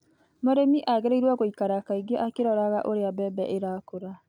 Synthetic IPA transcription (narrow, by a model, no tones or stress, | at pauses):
mɔɾɛmiʔaɣɛɾeiɾwaɣoikaɾakaiɡeʔakeɾɔɾaɣaʔoɾeabɛbɛ̰ʔeɾaːkoɾa